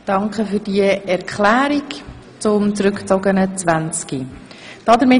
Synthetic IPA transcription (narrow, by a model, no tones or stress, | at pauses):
d̥ɑŋkχəfyːd̥iəɛɾkʰχlæːɾik | t͡sʊmt͡sɾʉkt͡sɔɡənət͡sʋænt͡ski | d̥ɑd̪əɾmɪ